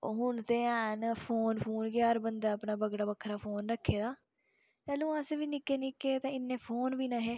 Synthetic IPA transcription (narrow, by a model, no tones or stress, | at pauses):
ɦʊɳt̪eːãːnpʰoːnpʰuːnkjaaːɾbənd̪aːəpɳaːbəɡɽaːbəkʰːɾaːpʰoːnɾəkʰːeːd̪aː | t̪ɛːlũːãːsʋiːnɪkːeːnɪkːeːt̪ẽːɪnːẽːpʰoːnʋiːnãːɦeː